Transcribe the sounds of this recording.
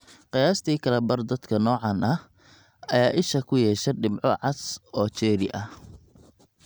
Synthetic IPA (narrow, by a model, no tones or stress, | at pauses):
qɪjaːst̪ʰiːkʰɐlɐbɐrd̪ɐd̪̥kʰɐnɔːʕɑnɐh | ɐjaːʔɪʃɐkʰʊjɛːʃɛɖɪmʕɔʕɑsɔːt͡ʃɛːɾɪ̰ʔɐh